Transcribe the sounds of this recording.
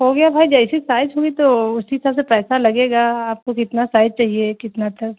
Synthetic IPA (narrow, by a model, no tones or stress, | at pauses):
ɦoɡɐjabʱaːid͡ʒɛɪsisaːɪzɦoːɡit̪oʊskiɦɪsaːbsepɛːsalɐɡeːɡaaːp̚kokɪt̪nasaːɪd͡ʒ̚t͡ʃaːɦiekɪt̪nat̪ʰɐk